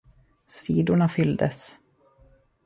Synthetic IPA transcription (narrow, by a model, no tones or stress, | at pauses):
siːd̪ʊɳafʏld̪əs